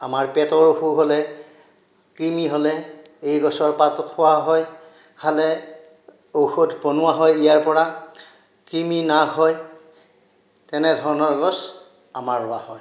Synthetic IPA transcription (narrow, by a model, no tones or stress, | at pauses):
amaɹpɛtɔɹoxuɦolɛ | kɹimiɦolɛ | ejɡɔsɔɹpatɔkʰʊwaɦɔj | kʰalɛ | oxotpɔnʊwaɦɔjijaɹpɔɹa | kɹiminaɡɦɔj | tɛnɛdʱɔɹɔnɔɹɡɔs | amaɹːʊwahɔj